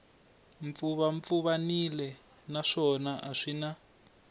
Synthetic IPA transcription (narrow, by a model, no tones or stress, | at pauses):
ɱfuβaɱp̪fuβanilɛ | naʂɔnaʔaʂina